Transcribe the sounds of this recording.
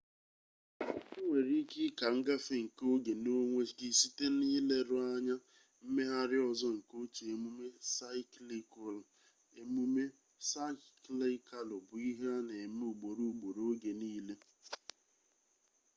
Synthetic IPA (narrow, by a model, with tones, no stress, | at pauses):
ŋʷe˨ɾi˦kɪ˦ka˨ŋ̩˦ɡa˦fe˦ŋ̩˨ko˦ɡe˨no˦ŋʷe˦ɡɪ˨si˦te˦niː˦le˦ɾʊ˦a˦ɲa˦ | m̩˦me˦a˦ɾɪ˦ɔ˨zɔ˦ŋ̩˨ko˦t͡ʃe˨e˨mu˦me˦sa˦ɪ˦kli˦kʊ˦l | e˨mu˦me˦ | sa˦kli˦ka˦lʊ˨bʊ˨i˦ɦe˦a˦ne˨m˦u˨ɡ͡bo˨ɾu˦u˨ɡ͡bo˨ɾo˦ɡe˨niː˦le˦